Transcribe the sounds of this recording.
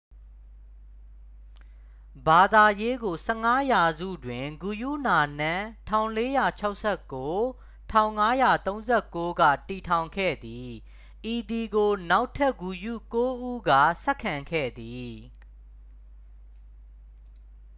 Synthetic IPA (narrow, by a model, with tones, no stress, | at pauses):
ba˨d̪a˨je˦ɡo˨sɛ˦ŋa˦ja˨zṵ˦˨dwɪ̃˨ŋɡu˨jṵ˦˨na˨n̥ã˦˨tʰã˨ʊ̃le˦ja˨t͡ɕʰa˦ʊʔsʰɛ˦˨kːo˦ | tʰã˦˨ʊ̃ŋa˦ja˨t̪õ˦ʊ̃nzɛ˦˨ko˦ɡä̰˦˨ti˨tʰã˨ʊ̃ŋkʰɛ̰˦˨d̪i˨ | ʔi˨d̪i˨ɡo˨na˦ʊtʰɛ˦˨ʔɡu˨jṵ˦˨ko˦ʔu˦ɡa̰˦˨sɛ˦kʰːã˨ŋkʰɛ̰˦˨d̪i˨